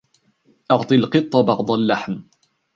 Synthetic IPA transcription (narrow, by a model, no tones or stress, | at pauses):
ʔɑʕt̪ˤɨalqɨt̪ˤːɑbɑʕd̪ˤalːaħm